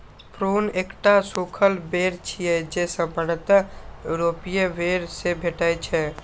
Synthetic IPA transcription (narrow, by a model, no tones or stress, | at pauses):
pɾonekʈasukʰəlbeɾt͡ʃʰijɛd͡ʒesə̃bəɽət̪ɾopijeʋeɾsebʱeʈəjt͡ʃʰɛ